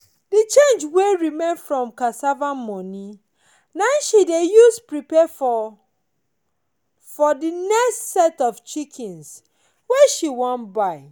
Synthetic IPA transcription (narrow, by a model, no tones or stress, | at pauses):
dit͡ʃẽnd͡ʒweɹimẽnfɹɔ̃mkasavamɔni | naʃidejuspɹipɛf | fɔdinɛkstsɛtɔft͡ʃikʰĩns | wɛʃiwɔ̃nbaɪ